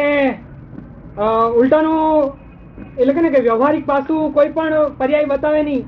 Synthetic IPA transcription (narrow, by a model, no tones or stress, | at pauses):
e | ulʈ̪anũ | etlekenekeʋjəʋɦaɾik̚pasũkoipəɳpəɾjaibət̪aʋenĩ